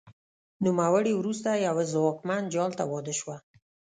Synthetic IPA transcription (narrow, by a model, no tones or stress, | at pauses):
numawəɽiwɾust̪ajawzwɑkmand͡ʒɑlt̪awɔd̪əʃwa